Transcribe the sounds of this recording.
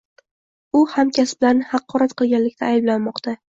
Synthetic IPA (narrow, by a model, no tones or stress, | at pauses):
ʊhamkʲasbɪlaɾnɪhɑqːɒɾat̪qɨlˠɡʲanlɪkʲt̪ʰaːjɪblanmɒqt̪a